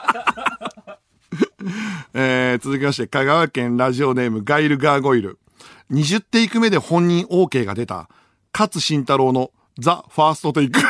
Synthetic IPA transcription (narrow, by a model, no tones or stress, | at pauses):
eːt͡sɨzɨkʲimaɕi̥t̪e̞kaɡaβakẽ̞nɾaʑio̞ne̞ːmɯ̟ɡaiɾɯ̟ɡaːɡo̞iɾɯ̟ | ɲ̟iʑɨt̪ːe̞ikɯ̟me̞d̪e̞hõ̞ɲ̟ːĩɰ̃ʔo̞ːke̞ːɡa̰d̪e̞t̪a̰ | kat͡sɨɕĩnt̪aɾo̞ːno̞ | d͡zaɸaːsɨ̥t̪o̞t̪eikɯ̟